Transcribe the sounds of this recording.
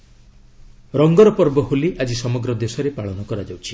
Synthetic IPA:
ɾɔŋɡɔɾɔpɔɾbɔɦuliʔad͡ʒisɔmɔɡɾɔd̪esɔɾepaɭɔnɔkɔɾad͡ʒawt͡ʃʰi̥

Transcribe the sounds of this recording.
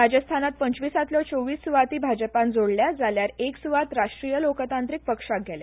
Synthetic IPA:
ɾad͡ʑəst̪ʰanat̪̚pəɲt͡ɕʋisat̪ljɔt͡soʋiːsːuʋat̪iːbʱad͡ʑəpãnd͡zoɽljad͡zaljaɾeksuʋat̪ɾaʂʈɾijəlokt̪ant̪ɾik̚pəkʂak̚ɡʱɛlj̰

